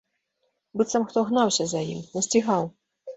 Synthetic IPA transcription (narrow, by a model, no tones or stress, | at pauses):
bɨt̪sɐmxt̪ɔɣnawsʲɐzɐjḭmnɐsʲt͡sʲiɣaw